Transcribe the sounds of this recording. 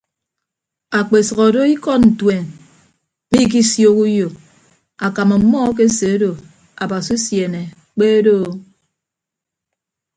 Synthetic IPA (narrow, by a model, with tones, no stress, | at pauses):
a˨k͡pe˨sɔ˨ɣɔ˨do˦i˦kɔ˦tn̩˨twe˨n˦ | mi˦k̬i˦sjo˦ku˦jo˨ | a˨ka˨ma˨mɔ˦k̬e˦se˨˦do˨ | a̰˨ba˨su˦sje˨ne˨ | k͡pe˦do˦˨